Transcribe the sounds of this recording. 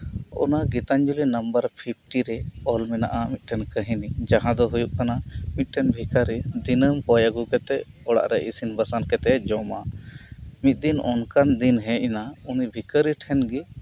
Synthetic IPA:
ɔ̰naɡit̪aɲd͡ʒulinəmbəɾpʰip̚ʰʈiɾɛɔlmɛnaʔamit̪̚ˀʈʰɛnkəɦinid͡ʒaɦãd̪ɔɦujuʔkanamit̪̚ˀʈʰɛnbʱikəɾid̪inəmkɔjaɡukɛt̪ɛʔ | ɔɽa̰ʔɾɛʔisinbəsankɛt̪ɛd͡ʒɔma | mit̪̚ˀd̪inɔnkand̪inɦɛ̃ʔɛnaunibʱikəɾiʈʰɛnɡi

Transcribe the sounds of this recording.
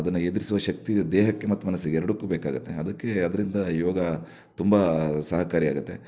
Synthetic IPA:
ɐd̪ɐnːued̪iɾisuʋɐʃɐk̚t̪id̪ɛːɦɐkːe̞mɐt̪ːumɐnɐsːiɡeɛɾɐɽukːuːbeːka̰ːɡut̪ːeɐd̪ɐkːe̞ɐd̪ɐɾind̪ɐjɔːɡɐ | t̪umbɐsɐɦɐkaːɾia̰ːɡut̪ːe̞

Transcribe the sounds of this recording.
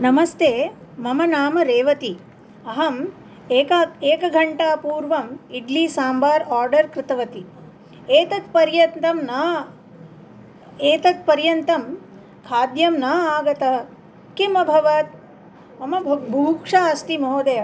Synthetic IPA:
nɐmɐst̪ʰeːmɐmɐnaːmɐɾeːʋɐt̪i | ɐɦɐm | eːkɐeːkɐɡʱɐɳʈaːpuːɾʋɐmiɖliːsaːmbaːɾaːɾɖɐɾkɾɪt̪ɐʋɐt̪i | eːt̪ɐt̪pɐɾjɐnt̪ɐmnaː | eːt̪ɐt̪̚pɐɾjɐnt̪ɐm | kʰaːd̪jɐmnaːaːɡɐt̪ɐɦɐ | kimɐbʱɐʋɐt̪̚ | ɐmɐbʱuːkʂaɐst̪imɐɦoːd̪ɐjɐ

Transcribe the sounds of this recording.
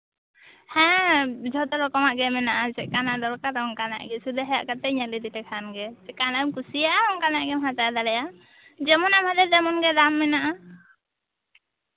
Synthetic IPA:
hɛ̃d͡ʒʱɔd̪ɔlɔkɔmaʔɡɛmɛnaʔad͡ʒɛkanad̪ɔlkaɾɔŋkana̰ʔɡɛsud̪ɛɦɛja̰ʔkat̪ɛɲalid̪it̪ɛkʰanɡɛd͡ʒɛkanaʔɛmkusijaʔaɔŋkanaʔɡɛmɦat̪ad̪alɛja | d͡ʒɛmɔnamhad̪ɛd̪ɛmɔnɡɛd̪amːɛnaʔa

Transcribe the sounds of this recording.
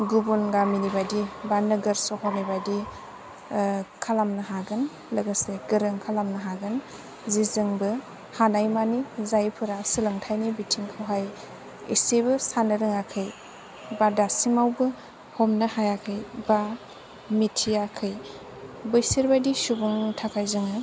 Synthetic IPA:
ɡubunɡaminibajdibanɯɡɐɾsɔɦɔnibajdi | kʰalamnɯɦaɡɯn | lɯɡəseɡɯɾɯŋkʰalamnɐɦaɡɯn | zizɯŋbɯ | hanajmanizajpʰɯɾasɯlɯŋtʰajnibitʰiŋkʰawɦaj | isebɯsanɯɾɯŋakʰɯj | badasimawbɯ | hɔmnɯhajakʰɯjba | mitʰijakʰɯj | bɯjsiɾbajdisubuŋtʰakʰajzɯŋɯ

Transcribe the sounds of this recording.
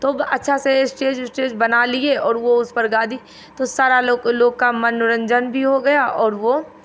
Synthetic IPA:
t̪oːbɐtːʃʰasesʈeːd͡ʒsʈeːd͡ʒbɐnalieɔːɾʋoʊspɐɾɡaːd̪ʱi | t̪osaːɾaloːɡloːɡkamɐnʊɾə̃ɲd͡ʒənbʱiɦoɡɐjaʔɔːɾʋoː

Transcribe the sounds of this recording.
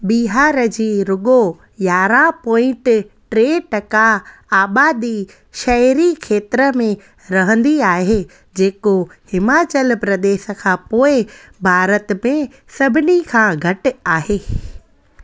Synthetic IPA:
ɓiɦaːɾəd͡ʑiːɾʊɡo | jaːɾapɔ̃ːɪ̃ɳʈʈɾeːʈɐkaaːɓaːd̪i | ʃɐɾikʰeːt̪ɾəmẽ | ɾɐɦə̃nd̪iaːɦe | d͡ʑeːkohɪmaːt͡ɕəlpɾɐd̪eːʃə̆kʰãːpoːɪ | bʱaːɾət̪mẽ | sɐbʱɪnikʰãːɡʱɐʈ̆aːɦeː

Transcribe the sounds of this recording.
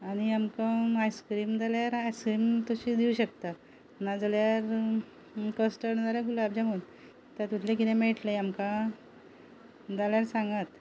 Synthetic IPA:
aɽ̃iamkamajskɾiːmd͡zaljaɾajskɾimt̪uɕiːd̪iuɕəkt̪a | nad͡zaljaɾ | kəsʈəɳd͡zaljaɡulaabd͡ʑamən | t̪at̪ut̪ʰlekit̪emeʈleamkã | d͡zaljaɾsãŋɡat̪

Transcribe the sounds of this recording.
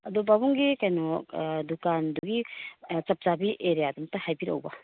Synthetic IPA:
ɐdɔbabuŋɡikajnɔdukanduɡit͡ʃɐp̚zabiʔeɾijadumtahajbiɾɐ̰wba

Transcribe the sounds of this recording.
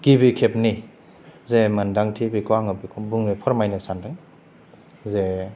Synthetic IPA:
ɡ̥ibikʰep̚ni | zemandaŋtʰibikaŋɯbikʰɔbuŋnipʰɔɾmajnasandaj | ze

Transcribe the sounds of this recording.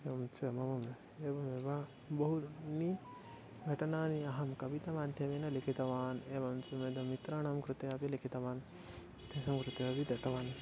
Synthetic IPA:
eɐmt͡suɐmɐmɐme | eːbɐmeʋa | bɐɦuɾni | ɡʱɐʈɐnaːniɐɦɐmkɐbit̪ɐmaːd̪ʱjɐmenɐlikʰit̪ɐʋaːneːʋɐmt͡sumed̪ɐmit̪ɾaːɳɐmkɾut̪eɐbilikʰit̪ɐʋaːn | t̪esɐmkɾut̪eɐbid̪ɐt̪ɐʋaːn

